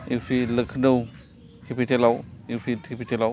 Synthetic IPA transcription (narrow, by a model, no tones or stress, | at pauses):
ipʰilɯkʰnɯw | kʰipʰitʰelawipʰitʰipʰitʰelaw